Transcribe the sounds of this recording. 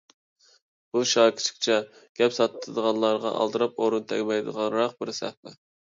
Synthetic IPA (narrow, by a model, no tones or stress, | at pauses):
b̥uʃɑːkʲʰi̥t͡ʃʰɪ̥kʲt͡ʃʰɛɡ̥ʲɛpsɑt̪ɨ̥t̪ʰɨd̪əʁɑnlˠɑɾʁɑ̰ʔɑ̰lˠd̪ɨɾɑpoɾunt̪ʰɛɡʲmɛjd̪ə̰ʁɑnɾɑq̚bɪɾsɛ̰hpɛ